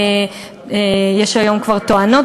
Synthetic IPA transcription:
jeʃhajomkvaʁt̪oano

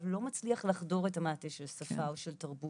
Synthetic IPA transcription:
vlo̞mat͡sliaχlaχdo̞ʁetamaːteʃelsafaoʃeltaʁbu

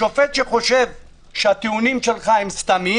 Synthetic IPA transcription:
o̞fet̪ʃeχo̞ʃe̞v | ʃeat̪iunimʃelχaemst̪ami

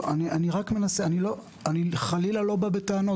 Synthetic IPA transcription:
aniʔaniʁakme̞naseanilo̞ | aniχalilalo̞babet̪aano̞

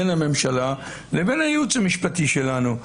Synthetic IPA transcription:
enhame̞mʃala | lebe̞nhajeut͡samiʃpat̪iʃe̞lanu

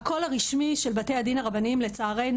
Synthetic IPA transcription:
ko̞laʁiʃmiʃelbate̞jadinaʁabanimlet͡saːʁe̞jn

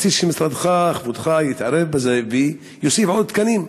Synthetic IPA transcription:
t͡siʃimisɾad̪χaχvud̪χajit̪ʕaɾevbazevi | josifʕod̪̚t̪kanim

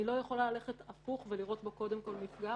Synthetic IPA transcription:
ilo̞jeχo̞lalale̞χetafuχve̞liʁo̞tbo̞ko̞demko̞lmifɡa

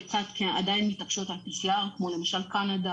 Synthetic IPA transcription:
kt͡sat̪kea̰dajinmitakʃotalpisiaʁkmole̞maʃalkanad̪a

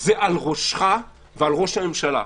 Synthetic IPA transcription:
zeʔalʁoʃχa | vealʁo̞ʃhamemʃala̰

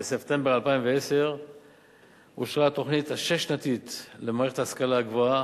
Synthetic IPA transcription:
esept̪e̞mbe̞ʁalpaimveese̞ʁ | uʃʁat̪o̞χnit̪haʃeʃnat̪it̪lemaːʁeχet̪aːaskalaaɡvoa

